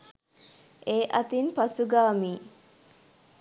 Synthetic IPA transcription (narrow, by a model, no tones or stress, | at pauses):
ʔeːʔɐt̪inpɐsuɡaːmiː